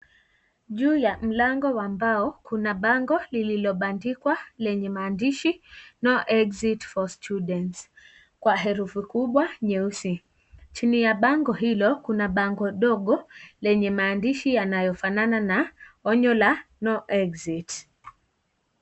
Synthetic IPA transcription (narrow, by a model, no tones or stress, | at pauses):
ʄuːjam̩laŋɡɔwambaɔkunaɓaŋɡɔlililɔɓandikwalɛɲɛmaːndiʃinɔʔɛkzitfɔstʰuɗɛnts | kwaɦɛɾufukuɓwaɲɛusi | t͡ʃinijaɓaŋɡɔɦilɔkunaɓaŋɡɔɗɔɠɔlɛɲɛmaːndiʃijanajɔfanananaɔɲɔlanɔʔɛɡzit